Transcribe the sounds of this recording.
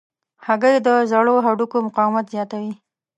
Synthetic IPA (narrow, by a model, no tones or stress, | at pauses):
haɡəjd̪əzaɽoɦaɖukomʊqɑwɪmat̪zjɑt̪awi